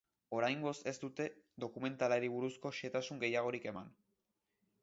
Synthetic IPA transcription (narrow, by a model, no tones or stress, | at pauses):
o̞ɾajŋɡo̞se̞st̪ut̪e̞ðo̞kume̞nt̪alaɾiβ̞uɾusko̞ʃe̞t̪asuŋɡe̞jaɣ̞o̞ɾike̞man